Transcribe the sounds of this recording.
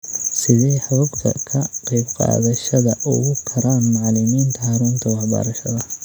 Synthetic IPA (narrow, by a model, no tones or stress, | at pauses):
sɪðɛjħɑʊbt̪ʰɐ̰kʰɐqɑjbqɑ̰ːðɐʃɐðɐʔʊɣʊkʰɐɾaːnmɑʕlɪmiːnt̪ʰɐhɑɾuːnt̪ʰɐwɑħbɐ̰ɾɐʃɐðɐ